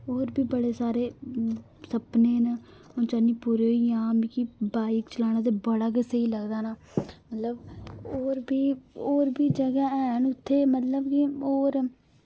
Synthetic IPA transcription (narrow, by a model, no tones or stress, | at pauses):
oːɾbiːbəɽeːsaːɾeː | səpneːna | õːt͡ʃaːniːpuːɾeːɦoiãːmiːkibaːikt͡ʃəlaːɽ̃ãːt̪̬eːbəɽaːk̬ɪseiːləɡd̪aːnaː | mət̪ləboːɾbiːoːɾbiːd͡ʒəɡaːɛːnʊt̪ʰːeːmət̪ləbkioːɾ